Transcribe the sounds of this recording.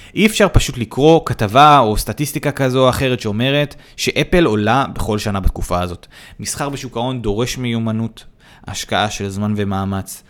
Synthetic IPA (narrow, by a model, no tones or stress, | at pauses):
ʔiefʃaʁpaʃutlikʁo̞katavao̞statistikakazo̞aχe̞ʁetʃeo̞me̞ʁe̞t | ʃe̞ʔepe̞lo̞labeχo̞lʃanabatkufaazo̞t | misχaʁbeʃukao̞ndo̞ʁe̞ʃmejumanut | a̰ʃkaʔaʃe̞lzmanve̞maːmat͡s